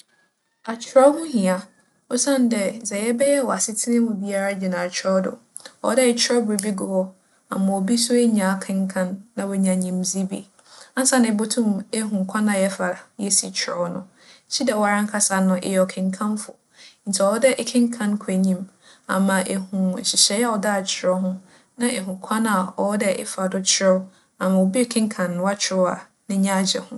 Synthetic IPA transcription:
a˨t͡ɕʰɪ˨ɾɔ˦hʊ̃˦hĩ˨a˨ | ɔ˦sã˦n˨˦dɛ˨sɛ˨jɛ˦bɛ˦jɛ˦wɔ˨a˨sɪ˦tʰɪ˦nɪ̃˦mʊ̃˨bi˦a˦ɾa˦d͡ʑi˨nã˨t͡ɕʰɾɔ˦dʊ̰˨ | ɔ̰˦dɛ˦ɪ˨t͡ɕʰᶣɪ˦ɾɔ˦bʊ˨i˨bi˦ɡʊ˨wɔ˦ | a̰˨mã˨wɔ˨bi˦sʊ˦e˦ɲã˨kʰɪ̃˦ŋ˦kʰã˦nːã˨wɔ˨ɲã˨ɲĩ˦mzi˦bḭ˨ | ã˦n˦sã˦nɪ̃˨bo˦tʰũ˦me˦ɦũ˨ŋ˨kʰã˦nã˨jɛ˦fa˨ɾa˨jɛ˦si˨t͡ɕʰɾɔ˦nʊ̰̃˨˦ | t͡ɕʰi˦dɛ˨wa˨ɾã˦ŋ̩˦kʰa˦sa˨nʊ̃˨ʔɪ̰˨jɛ˨ɔ˨kʰɪ̃˨ŋkʰã˦nfʊ̰˨ | n̩˨tʰi˨ɔ˨ɔ˦dɛ˦ʔɪ˦kʰɪ̃˦ŋ̩˦kʰã˦n˦kʰɛ˨ɲĩ˦m | a̰˨mã˨ʔe˨hũ˨ɕɪ˨ɕɛ˨˦jɛ˦ɔ˨da˦˨t͡ɕʰɪ˨ɾɔ˦ɦʊ̃˦ | nã˦ʔe˨ɦũ˨kʷʰã˦nã˨ɔ˨˦dɛ˦ʔɪ̰˦fa˨dʊ˦t͡ɕʰɪ˦ɾɔ˦ | a˨mã˨o˨bi˦ɛ˦˨kʰɪ̃˦ŋ˦kʰã˨ñː˨wa˦t͡ɕʰɪ˨ɾɔ˦a˨ | nɪ̃˦ɲã˦d͡ʑɛ̰˨hʊ̃˦

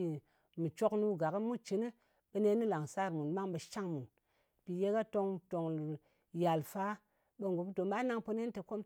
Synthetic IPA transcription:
i˨ | mi˨t͡ʃo˦knu˦ɡa˨ki˦mu˦t͡ʃi˨ni˦ | ɓe˨˦ne˦ni˦la˨ŋsa˦ɾmu˨nma˦ŋɓe˨ʃa˦ŋmu˨n | pi˨je˦ka˦to˧ŋto˨ŋ˨ | ja˨lfa˦ | ɓe˨ŋɡo˨bto˨mɓa˦na˦ŋpo˧ne˦n˦te˨ko˦m

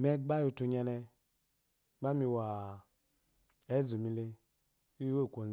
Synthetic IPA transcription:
mɛ˦ɡ͡ba˦jo˧to˧ɲa˧nɛ˧ | ɡ͡ba˦mi˧wa˨ | ɛ˨˦zu˨mi˧le˧ | u˦we˦˨kʷo˨

